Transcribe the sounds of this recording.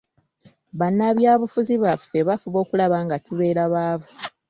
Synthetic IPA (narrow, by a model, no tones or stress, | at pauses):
βanːaβjaːβufuziβafːe̞βafuβo̞ːkulaβaŋɡatiβe̞ːɾaβaːvu